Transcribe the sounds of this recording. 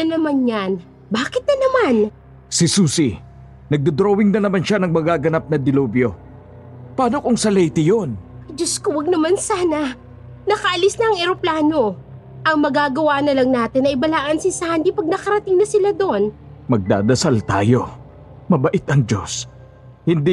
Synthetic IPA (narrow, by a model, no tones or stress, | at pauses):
ɐnɐmanɲan | baːkɪt̪̚nɐnɐman | sisuːsi | nɐɡ̚d̪ɐd̪ɾowɪŋnɐnɐmanʃanɐŋmɐɡaːɡɐnap̚nɐd̪ɪloːbjo̞ | pɐaːnokoŋsɐlɛjt̪ɪjo̞nɐd͡ʒoskowɐɡ̚nɐmansaːnɐ | nɐkɐʔɐlɪsnɐʔːŋɛɾoplaːno̞ | ʔɐŋmɐɡaːɡɐwaːnɐlɐŋnaːt̪ɪnɐʔɪbɐlaːʔɐnsɪsahnd̪ipɐɡ̚nɐkɐɾɐt̪ɪŋnɐsɪlad̪onmɐɡ̚d̪a̰ːd̪ɐsalt̪a̰ːjo̞ | mɐbɐʔɪt̪ɐŋd͡ʒo̞̰s | hɪnd̪i